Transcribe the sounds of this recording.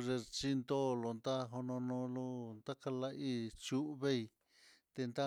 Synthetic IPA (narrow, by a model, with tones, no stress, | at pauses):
ʐe˧t͡ʃi˦nd̪o˦˧lo˧nd̪a˦ɦo˧nõ˧nõ˧lo˧nd̪a˦ka˧la˧ʔi˦t͡ʃu˦ʔβe˦i˧ | t̪e˧nd̪a˦